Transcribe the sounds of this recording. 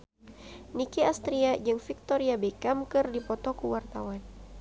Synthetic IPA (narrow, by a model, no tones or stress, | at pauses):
nikiast̪ɾiad͡ʒɨŋfik̚t̪oɾiabekamkɨrdipɔt̪ɔkuwart̪awan